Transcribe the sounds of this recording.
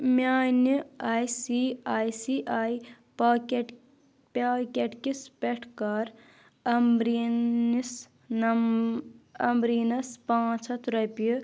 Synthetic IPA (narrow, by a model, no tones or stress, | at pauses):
mʲaːniaːjsiaːjsiʔaːi | pː | pakʲeʈkispeʈʰkɐɾ | ɐmɾinis | n | ɐmbɾiːnɐspãːt͡ʃʰɐt̪ɾɐpi